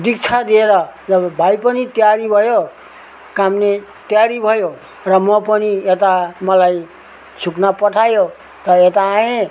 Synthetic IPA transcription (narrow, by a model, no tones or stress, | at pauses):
d̪ikt͡sʰad̪ieɾʌd͡zʌbbʱajpʌnit̪jaɾibʱʌjo | kamne | t̪jaɾibʱʌjo | rʌmʌpʌniet̪amʌlaj | sʰuknapʌʈʰajo | t̪ʌet̪ãːẽ